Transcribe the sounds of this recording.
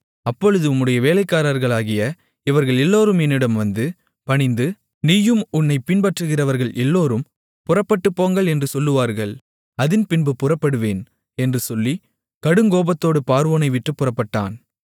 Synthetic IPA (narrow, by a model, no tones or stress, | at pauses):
ɐpːɔɻɯðɯʊmːɯɽɐjɐʋeːlɐɪkːaːɾaɾɣɐɭaːɣɪjɐ | ɪʋɐɾɣɐɭɛlːoːɾɯmɛnːɪɽɐmʋɐnd̪ɯ | pɐɳɪnd̪ɯ | niːjɯmʊɳːɐɪpɪnbɐʈrɯɣɪrɐʋɐɾɣɐɭʔɛlːoːɾɯm | pʊrɐpːɐʈːɯpːoːŋɡɐɭɛndrɯsɔlːɯʋaːɾɣɐɭ | ɐðɪnpɪnbɯpːʊrɐpːɐɽɯʋeːn | ɛndrɯsɔlːi | kɐɽɯŋɡoːbɐt̪ːoːɽɯpaːɾʋoːnɐɪʋɪʈrɯpːʊrɐpːɐʈːa̰ːn